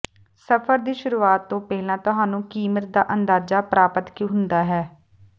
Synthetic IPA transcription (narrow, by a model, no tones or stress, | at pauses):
səpʰəɾd̪iːʃʊɾuːaːt̪ːõːpɛːɦlãːt̪ʊɦaːnũːkiːmət̪̚d̪a̰ːʔənd̪aːd͡ʒaːpɾaːpət̪kõːɦʊnd̪aːɦɛː